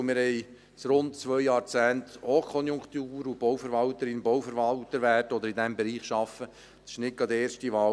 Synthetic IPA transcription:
mɪɾhɛj | sɾʊntt͡sʋœʏjɑːɾt͡sæːnt̪okʰɔnjʊŋkt̪uːɾub̥ɔwfəɾʋɑlt̪əɾɪnbɔwfəɾʋɑlt̪əɾʋætɔd̪əɾɪd̪ɛmbɛɾiːχʃɑfə | ɪ̥ʃnɪk̚ɡɑd̪əeːɾʃtiʋɑː

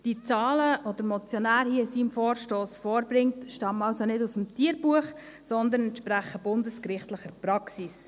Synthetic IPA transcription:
d̥it͡sɑːləʋɔd̪əɾmɔt͡sjɔnæːɾhiəsiːmfɔːɾʃtoːsfɔːɾbɾɪŋtʃtɑmɑlsonɪdusəmtiːəɾbuəχ | sɔnd̪ənɛnʃpɾæχəb̥ʊndəskɾɪχtləχəɾpɾɑksis

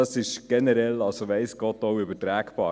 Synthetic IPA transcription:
ɑsɪʃɡ̥ɛnəɾɛlɑlsoʋɛɪsɡ̥ɔtoʊʏbətɾæːkpɑ̰ː

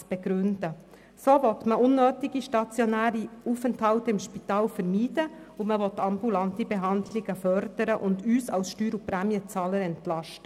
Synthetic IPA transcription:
b̥eɡɾʉnd̥ə | soːvɔtməʔʊnːøːtɪɡ̥iʃtɑt͡sjɔnæːɾiuːfɛnthɑltɪmʃpitɑːlfəɾmiːdə | ʊməvɔtːɑmbulɑntibɛɦɑndlɪɡ̥əfœɾd̥əɾəʔʊndyːsɑlsʃtyːɾupɾæmjət͡sɑːləɾɛntlɑʃtə

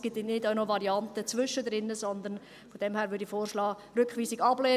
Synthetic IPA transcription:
ɡ̥ɪtnɪdaʊnoʋɑɾiɑntət͡sʋʏʃədɾɪnːəzɔnd̪ən | fod̥ɛmhæːɾʋʏɾdifoːrʃlɑː | ɾʏkχʋiːsɪɡɑbleː

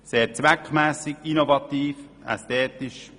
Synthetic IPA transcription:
seːɾt͡sʋækχmæːsɪɡinovɑt̪iːf | ɛ̰stɛːt̪ɪʃ

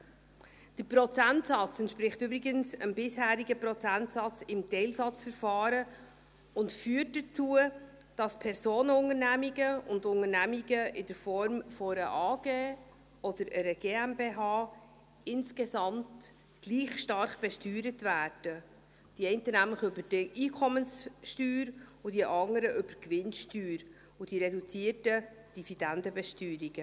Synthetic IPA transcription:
d̥əɾpɾɔt͡sæntsɑt͡sɛntʃpɾɪχtybɾɪɡənsəmbɪshæːɾiɡəpɾɔt͡sæntsɑt͡sɪmtɛɪlsɑt͡sfəɾfɑːɾə | ʊntfyːət̚dət͡suːə | d̥ɑspʰɛɾzoːnəʊŋəɾnæmiɡəʊndʊŋənæmiɡəʔɪd̥əɾfɔɾmfɔɾəʔɑːɡ̥eː | ɔd̥̪əɾəɾəɡ̥eːæmbeːɦɑː | ɪnsɡ̥esɑmt̪ | ɡ̥liːχʃtɑrχb̥ɛʃtyːɾətvæːɾd̥ə | d̥iɛɪntənæmləχʏbəd̥ʔiːkʰɔmənsʃtyːɾʊd̥iʔɑŋəɾəʔʏb̥əɾkvɪnʃtyːɾ | ʊd̥iɾɛdut͡siətə | d̥ivid̥ændəbɛʃtyːɾiɡ̥ə

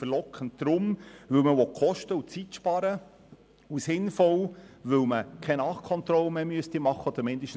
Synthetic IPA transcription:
fəɾlɔkχəntd̥ɾʊmʋɵlməʋɔkχɔʃtəut͡sitʃpɑɾə | usɪnfɔlʋɵwməkʰɛnɑχkʰɔnt̪ɾɔlmɛmyəst̪imɑχːəɔd̪̥əɾmɪnd̥əʃt

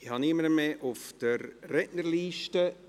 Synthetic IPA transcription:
ɪhɑniməɾəmeʔʊfd̥əɾːɛʔnərliːʃtə

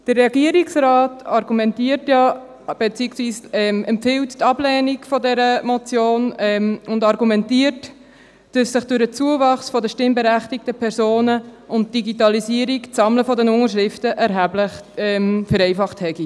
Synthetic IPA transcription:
d̥əɾːɛɡiəɾiksɾɑːtɑɾɡumɛntiːəɾtjɑ | b̥et͡siːksʋiːsɛmɛmpfɪlttɑblɛːniɡfɔdɛɾəmɔt͡sjoːnɛmʊndɑɾɡumɛntiəɾt | d̥ɑsːɪχd̥ʉɾət͡suəvɑχsfɔdəʃtɪmbəɾæχtik̚təpʰɛɾsoːnəʊnt̚d̥iɡitɑlisiəɾikt͡sɑmləfɔdənʊŋəʃ̬ʁɾɪftəʔɛɾɦæblɪχɛmfəɾɛɪfɑχthɛɡi

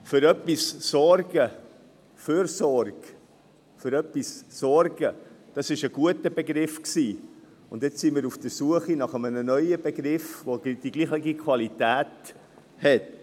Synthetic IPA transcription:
føɾœpissɔɾɡ̥ə | føɾsɔrɡ̥ | føɾœpːissɔɾɡ̥əd̥ɑsɪʃəɡ̥uətəbeɡɾɪfksiː | ʊndjɛt͡ssimɪːɾufd̥əsuəχinɑχəmənənœʏəbeɡɾɪfvod̥iɡ̥liːχəɡikʰv̥ɑlitæːt | hɛt

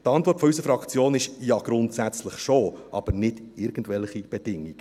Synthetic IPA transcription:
tɑntvɔɾtfɔysəfɾɑkt͡sjoːnɪʃjɑɡ̥ɾʊntsæt͡sləχʃoʔɑ̰b̥əɾnɪd̥ | ɪɾɡ̥ən̩dvɛlχib̥ɛd̥ɪŋiɡ̥

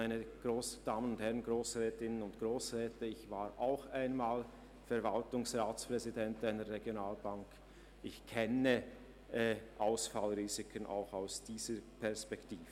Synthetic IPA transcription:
aɪnəɡ̥ʁoːsd̥aːmənʊnthɛʁənɡʁoːsʁɛːtɪnənʊntɡ̥ʁoːsʁɛːtəɪçv̥aːɾʔaʊxaɪnmaːl | fɛɐvaltʊŋsʁaːt͡spʁ̥ɛzidɛntaɪnəɾʁɛɡjonaːlbaŋk | ɪçkʰɛnə | ɛʔaʊsfalʁiːzɪkʰənʔa̰ʊxaʊsd̥iːz̥əpʰɛɐspɛktiːvə

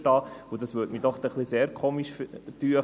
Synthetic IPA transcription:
tɑːud̪ɑsʋøːtmidɔχt̪ɛχliseːɾkʰoːmiʃftyːə

